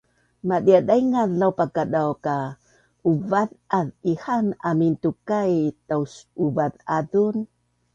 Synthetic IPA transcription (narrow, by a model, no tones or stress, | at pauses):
madiadajŋaðlawpakadawka | uvaðʔaðihanamintukajtawsuvaðaðun